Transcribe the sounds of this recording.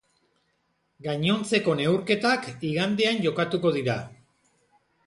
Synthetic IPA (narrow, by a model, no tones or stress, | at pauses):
ɡaɲo̞nt͡se̞ko̞ne̞wɾke̞t̪akiɣand̪e̞anʝo̞kat̪uko̞ð̞iɾa